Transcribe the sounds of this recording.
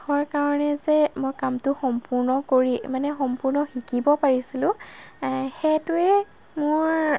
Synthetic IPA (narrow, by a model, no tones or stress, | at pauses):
xɔɹkaɹɔnɛzɛmojkamtʊxɔmpʊɹnɔkoɹimanɛxɔmpʊɹnɔxikibɔpaɹisilʊ̃ | xɛtʊɛ | mʊɹ